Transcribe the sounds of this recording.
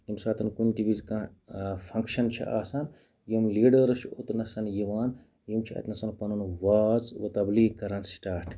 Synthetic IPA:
jimsaːt̪ɐnkunʈiʋizkã | fʰɐŋkʃɐnt͡ʃʰḭʔaːsɐn | jimliːɖɐɾt͡ʃʰot̪nɐsɐnjiʋaːn | jimt͡ʃʰiɐ̰t̪nɐsɐnpɐnunʋaːzʋɐt̪ɐbliːkɐɾɐnsʈaːɾʈʰ

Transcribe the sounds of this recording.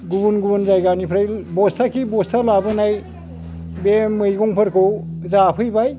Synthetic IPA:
ɡubunɡubɯnzajɡanipʰɾajbɔstʰakibɔstʰalabɯnaj | bemɯjɡɔŋpʰɯɾkʰɯwzapʰɯjbaj

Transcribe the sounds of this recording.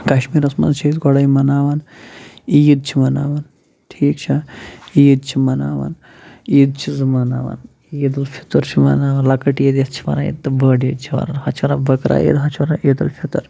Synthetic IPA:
kɐʃmiːɾɐsmɐ̰nt͡ʃʰiid̪ɡɔɽajmɐnaːʋaːn | ijid̪̚t͡ʃʰimɐnaːʋaːn | ʈʰiːkt͡ʃʰɐiid̪̚t͡ʃʰimɐnaːʋa̰n | iːd̪t͡ʃʰizɐmɐnaːʋa̰n | id̪ɐlfʰi̥t̪ɐɾt͡ʃʰimɐ̰naːʋɐnlɐkɐʈijid̪ɐst͡ʃʰi̥mɐ̰naːjḭt̪ːɐbəːɖjid̪̚t͡ʃʰiʋɐ̰ɾɐnɦɐt͡ʃʰʋɐɾa̰bɐkɾa̰ːjḭd̪ɦɐt͡ʃʰiʋɐɾaʔid̪ɐlfit̪ɐɾ

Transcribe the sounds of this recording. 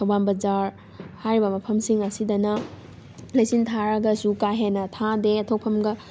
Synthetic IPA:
tʰɐwbanbɐd͡ʒaɾ | hajɾibɐmɐpʰɐmsiŋɐsidɐnɐ | lɐjsintʰaɾɐɡɐsukaɦenːɐtʰadeɐtʰok̚pʰɐmɡɐ

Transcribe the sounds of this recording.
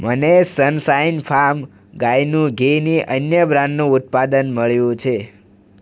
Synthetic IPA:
mənesənsainpʰaɾm | ɡajnũɡʱeniʔənjəbɾãnːũut̪̚pad̪ənməɭjũt͡ʃʰe

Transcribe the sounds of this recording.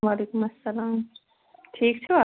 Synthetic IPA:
waːlekumɐsːɐlaːm | ʈʰiːk̚t͡sʰuʌ

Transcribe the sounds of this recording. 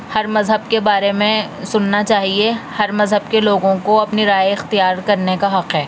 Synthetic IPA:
hɐɾmɐzɦəb̚kebaːɾemẽsʊnːat͡ʃaːɦiehɐɾmɐzɦəbkeloːɡõkoɐpniɾaːjɪxt̪ijaːɾkɐɾnekaɦɐqɦɛː

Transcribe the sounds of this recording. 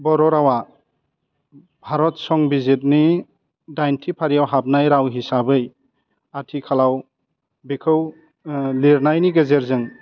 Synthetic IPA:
bɔɾɔɾawa | bʱaɾɔt̚sɔŋbizit̚ni | dajntʰipʰaɾijawɦap̚najɾawɦisabɯj | atʰikʰalaw | bikʰɯw | liɾnajniɡezeɾzɯŋ

